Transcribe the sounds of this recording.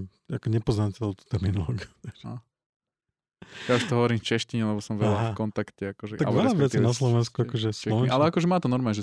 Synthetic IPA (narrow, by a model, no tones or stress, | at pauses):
akɔɲɛpɔznacɛlɔt̪u̥t̪ɛɾminɔlɔːɡiuaʒa̰ | jauʃt̪ɔɦɔʋɔɾimft͡ʃɛʃciɲɛlɛbɔsɔmʋɛʎafkɔnt̪akcɛakɔʒɛʔ̪aɡa̰lɛɾlsaʋɛɛt͡sːiɛnaslɔʋɛnskkuakɔʒɛslɔʋɛnʔalɛakɔʒɛmaːt̪ɔnɔɾmaːɲɛʒɛ